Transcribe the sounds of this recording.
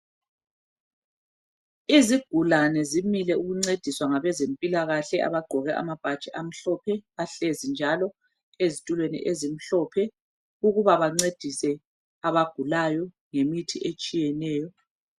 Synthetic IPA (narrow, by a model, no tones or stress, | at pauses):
iziɡ̥ʱulanɛzimilɛuɣuŋ͡ǀed̥ʱiswaŋaβɛzempʼilaɣaɬɛʔa̰βaɡ͡ǃ̥ʱɔɣɛʔa̰mab̥ʱad̥t͡ʃʼɛʔam̩ɬɔpʰɛaɬezind͡ʒʱalɔ | ezitʼulwenḭʔezim̩ɬɔpʰɛ | uɣuβaβaŋ͡ǀed̥ʱisɛ | aβaɡ̥ʱulajɔ | ŋemitʰiʔet͡ʃʼijɛnɛːjɔ